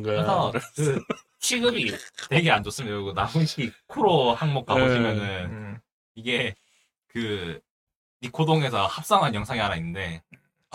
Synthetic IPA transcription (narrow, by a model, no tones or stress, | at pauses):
ɡsʰʌkɯ | t͡ɕʰiɡɯbitwe̞ɡeand͡ʑos͈ɯmidaɡonabuɕʰiɡikʰuɾohaŋmok̚k͈abod͡ʑimjʌnɯn | iɡe̞ | kɯ | ikʰodoŋe̞sʰʌhap̚s͈aŋɦanjʌŋsʰaŋeɦaɾainːɯnde̞